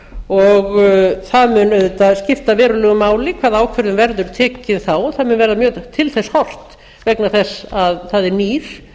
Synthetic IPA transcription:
ɔɣθaðmʏnœðʏt̪aðscɪft̪avɛːɾʏlɛːɣʏmaːwlɪkʰvaːðaːwkʰvœɾðʏmvɛɾðʏɾt̪ʰɛːcɪðθawɔθaðmʏnvɛːɾðamjœːt̪ʰɪlθɛshɔr̥t̪ | vɛknaθɛsːaðθaðɛɾniːɾ̥

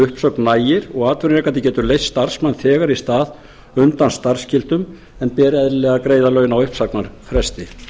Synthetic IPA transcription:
ʏhpsœknːaːjɪɾɔɣaːt̪vʏɾnɾɛkːanɪcɛːt̪ʏɾlejsːt̪aɾ̥smanθɛːɣaɾist̪aːð | ʏnt̪anst̪ar̥scɪlt̪ʏm | ɛnpɛːɾɪɛðɪlɛːɣaðkɾeːjðalœɥjɪnawʏhpsaknaɾ̥fɾɛst̪ɪ

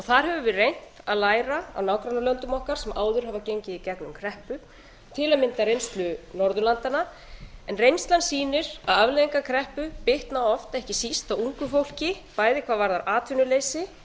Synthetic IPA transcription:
ɔθaɾ̥ɦɛvʏvɪrejn̥t̪aðlaːjɾaa̰wnaːwkɾanalœnt̪ʏmɔhkaɾ̥sɛmʔaːwðʏɾ̥hɦavacejɲcɪicɛknʏmkʰɾɛhpʏ | t̪ʰɪlaðmɪnt̪arejnst̪lʏnɔɾðʏlant̪ana | ɛnrejnst̪lansiːnɪɾaðavleiŋkakʰɾɛhpʏpɪht̪naɔft̪ɛhcɪsist̪awuŋkʏfowl̥cɪ | paːjðɪkʰv̥aːðvaɾðaɾʔaːt̪ʰʏnʏlejsɪ

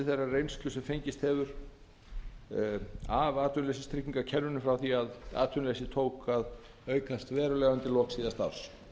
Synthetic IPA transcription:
θejrːarejnsk̪lʏsɛmfejɲcɪst̪hɛvʏɾ | avaːt̪ʏnlejsɪst̪ʰɾicːiŋkacʰɛnːʏnʏfɾawθiaða̰ːt̪ʰʏnlesɪt̪ʰoːwkað | œːɥkʰast̪vɛːɾʏlɛːɣant̪ɪlɔhksiːðast̪a̰ɾ̥s

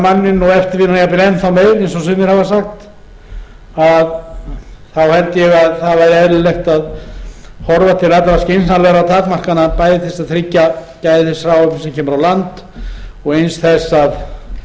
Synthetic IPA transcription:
manːɪnːuɛft̪ɪɾvɪnnjapɪlɛjnθawmeːjɣɾejnsɔsʏmɪɾhavasaxt̪ | að | θawhɛlt̪ɪjɛɣaðθaðvaɾɛðɾlɪlɛxt̪að | hɔɾvat̪ʰɪlɛt̪ːalascejnsnalvɛɾawt̪ʰaːkmar̥kanapaːjðɪθɛsaðt̪ʰɾɪcːacaːjðɪθɛsfɾawɛsɛmcʰɛːmʏɾawlant̪ | ɔɣejnsθɛsːað

